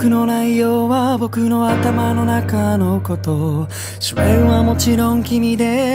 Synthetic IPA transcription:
kɯ̟no̞naijoːβabo̞kɯ̟no̞at̪amano̞nakano̞ko̞t̪o̞ | ɕoẽɰ̃βamo̞t͡ɕiɾõ̞ŋkʲimʲid̪e̞

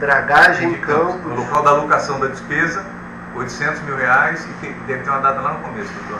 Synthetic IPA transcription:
d̪ɾaɡaʒẽkɐ̃pʊnʊlokawd̪ɐlokasɐ̃w̃d̪ɐd͡ʒɪspezɐ | ojt̪ʊ̥sẽnt̪ʊzmiwheajsɪked̪ɛvɪt̪eɾũmɐd̪at̪ɐlanʊkomesʊd̪ot̪oɾ

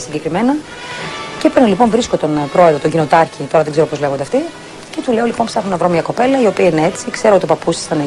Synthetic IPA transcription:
siɲɟekɾimenɐ | cepnolipo̞nvɾisko̞t̪onpɾo̞eðɾot̪oɲɟino̞t̪ɐɾçit̪o̞ɾɐðeɡzeɾo̞po̞zle̞ɣod̪eɐft̪i | ce̞t̪uleo̞lipo̞npsɐxunɐvɾo̞mɲɐko̞pe̞lɐio̞piɐinee̞t͡sikseɾoot̪iopɐpusi̥sɐne

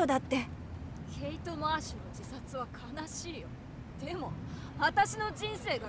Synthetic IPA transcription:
od̪at̪ːe̞ | kʰe̞it̪o̞maaːɕinod͡ʑisat͡sɨβakʰanaɕiːjo̞̰ | d̪̥e̞mo̞ | βat̪aɕino̞d͡ʑĩɰ̃se̞ːɡa

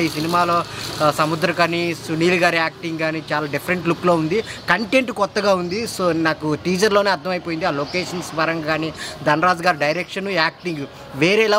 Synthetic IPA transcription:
iːsinimaːlo̞ːsɐmud̪ɾɐkɐnisuniːlɡaːɾiaːk̚ʈiŋɡɡaːnit͡ʃaːlaːɖipʰɐɾɐɳʈluklo̞ːund̪ikɐɳʈeɳʈkɔt̪ːɐɡaːund̪isoːnaːkuʈiːd͡ʒɐɾloːneɐɾd̪ʱɐmɐjipoːjind̪iaːloːkeːʂɐnsbɐɾɐŋɡaːnid̪ɐnɾaːd͡ʒɡaːɾiɖɐjɾekʂɐnuaːk̚ʈiŋɡ | ʋeːɾɛːlaː

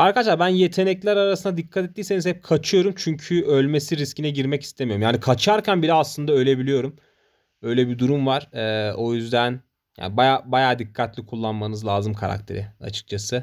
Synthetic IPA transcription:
aɾkadaʃ̬lˠaɾbænje̞t̪ʰe̞nɛclʲæɾaɾasɯnad̪ikʰːat̪ɛt̪ːiːseizhɛp̚kʰat͡ʃʰɯjo̞ɾumt͡ʃʰyɲcʰyʔølʲme̞siɾiscinɛɟiɾmɛci̥st̪ʰemijoumjaːnikʰat͡ʃʰaɾcʰænbiɾaslˠɯnd̪aø̞lʲe̞bilʲijo̞ɾum | ø̞jlʲɛbid̪uɾumvaɾ̥ɛːo̞jyzd̪æn | ja̰ːnibajaːbajaːd̪ikʰːat̪ʰlʲikʰulˠːanmanɯzlˠaːzɯmkʰa̰ɾa̰k̚t̪ʰe̞̰ɾɪa̰t͡ʃʰɯ̥k̚t͡ʃʰasɯ

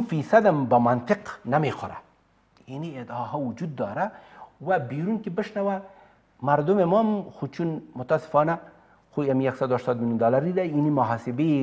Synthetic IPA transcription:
fisad̪ambamant̪ɪqnamexoɾa̰ | inied̪ɑɦɔwʊd͡ʒud̪̚ːɑːɾawabiɾunkebɪʃnawa | maɾd̪ʊmemɔmxut͡ʃʰunmʊt̪asɪ̥fɑna | xuamijaksad̪uaʃt̪ɑːd̪miljund̪ɔlaɾid̪ainimɐɦasɪbe

